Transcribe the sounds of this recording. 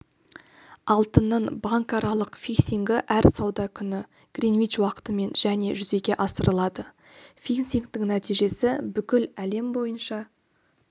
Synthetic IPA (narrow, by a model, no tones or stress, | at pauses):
ɑlˠt̪ənːəɴbɑŋkɑɾʔɑlˠəqfʲiksʲiŋɡɪʔæɾsɑwd̪ɑkʲʰʏnɪ | ɡ̥rʲinviʃwɑqə̥t̪əme̞nʒ̥æne̞ʒʏze̞ɡʲe̞ʔɑsəɾəlˠɑd̪ə | fʲinsiŋkt̪ɪŋnæt̪ijʒe̞sɪbʏkʲɪlæle̞mbo̞jənʃɑ